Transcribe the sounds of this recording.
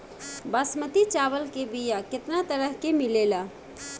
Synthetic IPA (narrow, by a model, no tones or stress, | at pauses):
basmət̪it͡ʃaβəlkebijakɪt̪nat̪əɾəɦkemilela